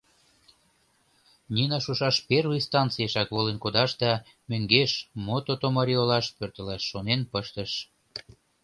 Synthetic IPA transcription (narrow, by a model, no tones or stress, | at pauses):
nʲinɑʃuʃɑʃpervist̪ɑntt͡sijeʃɑkβolenkod̪ɑʃd̪ɑ | møŋɡeʃmot̪ot̪omɑɾʲiolɑʃpørt̪əlɑʃːonenpəʃt̪əʃ